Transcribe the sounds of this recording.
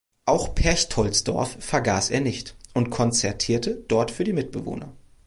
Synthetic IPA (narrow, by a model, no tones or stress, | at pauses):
ʔaʊxpʰɛɐçtʰɔlsd̥ɔ̰ɐfːɛɐɡaːsʔeːɐnɪçtʔʊntkʰɔnt͡sɛɐtʰiːɐtəd̥ɔɐtfyːɐdiːmɪt̚b̥əvo̰ːnɐ̰